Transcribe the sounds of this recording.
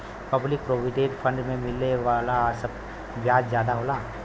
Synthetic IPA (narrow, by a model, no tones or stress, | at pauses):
pɐblɪk̚pɾoːʋiʈeːʈfʰɐ̃ɳɖmẽmɪlːeʋaːlasɐb | bjaːd͡ʒzjaːd̪aɦoːlaː